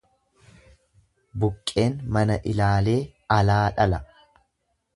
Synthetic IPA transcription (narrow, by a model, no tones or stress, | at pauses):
bʊkʼːe̞ːnmɐnɐʔɪlaːle̞ːɐlaːᶑɐlɐ